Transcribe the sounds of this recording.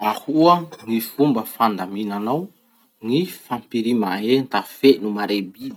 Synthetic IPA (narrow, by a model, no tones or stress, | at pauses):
ahuəŋifumbəfand̪aminanaw | ŋifampiɾimaent̪afenumaɾebi